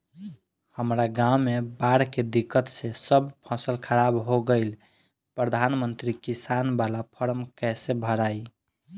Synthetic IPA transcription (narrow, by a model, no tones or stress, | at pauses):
həmɾaɡamebaɽked̪ikːət̪sesəbpʰɔsəlkʰəɾabɦoɡəɪl | pɾəd̪ʱanmənt̪ɾikisanbalapʰəɾmkɛsebʱəɾaj